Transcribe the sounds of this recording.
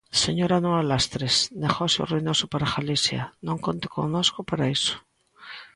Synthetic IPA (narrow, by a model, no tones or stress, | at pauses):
seɲoɾanoalast̪ɾesnexɔsjo̰rujnosʊpaɾaɣalisja̰nõŋkont̪ɪ̥ko̰ŋnoskʊpaɾaisʊ̥